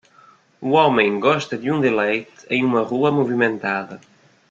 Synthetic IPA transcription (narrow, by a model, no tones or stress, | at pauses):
uɔmẽŋɡɔst̪ɐd̪juŋd̪elɛjt̪ẽŋumɐruɐmuvimẽnt̪aðɐ